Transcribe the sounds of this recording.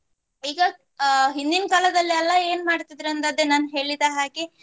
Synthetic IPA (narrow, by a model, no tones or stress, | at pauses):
iːɡɐ | ɦind̪inɐkaːlɐd̪ɐlːiɛlːɐe̞ːnmaːɽt̪id̪ɾɐnt̪ɐd̪ːenaːnɦe̞ːɭid̪aɦaːɡe